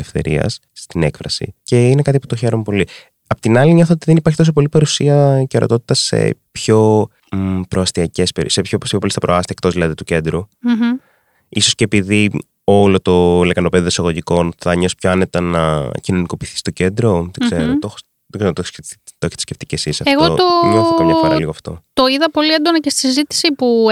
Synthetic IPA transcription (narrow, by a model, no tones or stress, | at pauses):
efθe̞̰ɾḭɐ̰sːt̪ine̞kfɾɐ̰sḭce̞inekɐt̪ipu̥t̪o̞çe̞ɾomepo̞li | ɐpot̪inɐliɲo̞θoot̪iðenipɐɾçit̪o̞sop̬o̞lipɐɾusiɐceɾo̰t̪o̞t̪it̪ɐse̞̰pço̞ | pɾoɐst̪iɐce̞speɾisepçoposippolisθɐpɾoɐst̪iekt̪o̞zðilɐðit̪uce̞nd̪ɾu | iso̞sceːpiði | o̞lo̞t̪o̞lekɐnope̞ðiðsɐɣo̞ʝiko̞nθɐɲo̞si̥pçoɐne̞t̪ɐnɐcino̞niko̞piːθi̥st̪o̞ce̞nd̪ɾo̞ðeɡ̥ze̞ɾot̪ox | ðoɡ̥seɾt̪ost̪oçe̥t̪i̥sceft̪icesisɐfeɣot̪oliɣoɐfomɲoɾɐliɣoɐft̪o̞̰t̪oiðɐpo̞liend̪onɐcest̪isizit̪i̥sipu